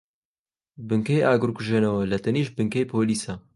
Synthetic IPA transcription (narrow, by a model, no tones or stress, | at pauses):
bɨŋkejaːɡɨɾkuʒeːnɐwɐlɐt̪ɐniːʃbɨŋkɐjpʰoːliːsɐ